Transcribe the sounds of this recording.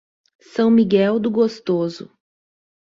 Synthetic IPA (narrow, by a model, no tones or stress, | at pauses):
sɐ̃w̃miɡɛwd̪ʊɡost̪ozʊ̰